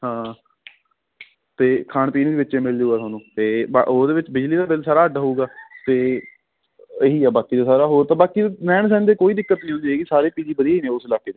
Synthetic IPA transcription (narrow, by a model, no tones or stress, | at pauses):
hãː | t̪eːkʰaːɳpiːnd̪eːʋɪt͡ʃːt͡ʃeːmɪld͡ʒuːɡaːsaːnũːt̪eːb̰ʔoːd̪eːʋɪt͡ʃbɪd͡ʒliːd̪aːbelsaːɾaːɦəɖaːɦuːɡaːt̪eː | eɦiːɛːbaːkiːd̪eːsaːɾaːɦoːɾt̪ãːbaːkiːnɛːɳsɛːnd̪eːkoːiːd̪ɪkːət̪nĩːɦʊ̃nd̪iːeːkisaːɾeːpiːd͡ʒeːbəd̪ijaːiːneːʊsɪlaːkeːd̪eː